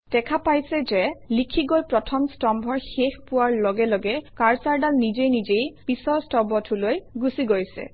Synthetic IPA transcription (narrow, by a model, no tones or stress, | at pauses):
d̥ɛkʰapajsɛzɛlikʰiɡojpɹɔtʰɔmstɔmbʱɔɹxexpuwaɹlɔɡɛlɔɡɛkaɹsaɹdalnizejnizejpisɔɹstɔbɔtʰulojɡusiɡojsɛ̰